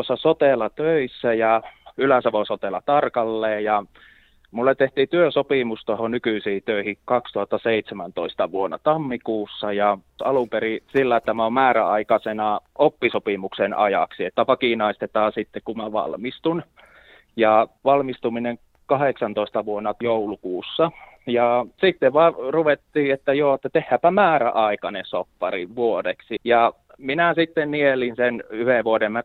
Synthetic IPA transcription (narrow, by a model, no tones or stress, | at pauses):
t̪osːɑsot̪elɑt̪øisːæjɑylæsɑʋosot̪elɑt̪ɑrkɑlːeːjɑ | mulːet̪t̪ːeht̪iːt̪yøsopimust̪ohonykyisiːt̪øihikɑkst̪uhɑt̪ːɑseit̪semænt̪oist̪ɑʋuonːɑ̰t̪ɑmːikuːsːɑjɑɑlumperisilːæet̪ːæmæommæːɾæɑikɑsenɑopːisopimuksenɑ̰jɑ̰ksiet̪ːæpɑkinɑist̪et̪ɑːsit̪ːekkumæʋɑ̰lmist̪un | jɑʋɑlmist̪umineŋ | kɑheksɑnt̪oist̪ɑʋuonːɑt̪joulukuːsːɑ | jɑsit̪ːeʋʋɑruʋet̪ːiːet̪ːæjoːet̪ːæt̪ehːæːpæmæːræ̰ʔɑikɑnesopːɑ̰rḭʋʋuodḛksijɑ | minæsit̪ːennielinsenyheʋʋuodemæ